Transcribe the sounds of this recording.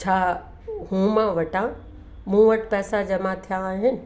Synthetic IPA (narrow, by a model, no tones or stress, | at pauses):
t͡ɕʰaː | ɦũmãʋɐʈã | mũːʋɐʈpɛːsad͡ʑɐmat̪ʰijãːɦɪnɪ̆